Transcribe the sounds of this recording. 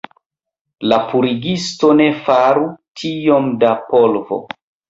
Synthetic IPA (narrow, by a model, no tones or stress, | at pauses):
lapuɾiɡisto̞ne̞faɾutʰijo̞mdapolvo̰